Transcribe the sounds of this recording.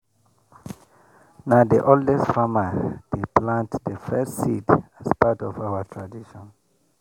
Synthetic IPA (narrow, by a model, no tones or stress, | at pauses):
naʊdiʔoldɛstfaməd̥eplãntdəfɛstsidaspatɔvawətʰɹadiʃɔ̃n